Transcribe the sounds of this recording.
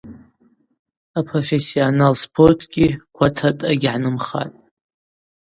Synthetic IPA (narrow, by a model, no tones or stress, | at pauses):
apʰro̞fe̞sionalspʰortʰɡʲikʷʰatʰatʼaɡʲʕanɨmχa̰tʼ